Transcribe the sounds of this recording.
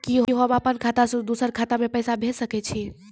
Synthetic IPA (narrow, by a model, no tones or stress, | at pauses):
kiɦɦobapənkʰat̪asõd̪usəɾkʰat̪amepəjsabʱesəkɛt͡ʃʰi